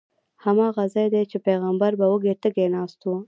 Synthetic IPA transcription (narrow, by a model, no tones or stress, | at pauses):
hɐmaːɣɐzɐjd̪et͡ʃepeːɣɐmbɐɾbɐwuɡeʈ̪ɐɡeːnaːst̪u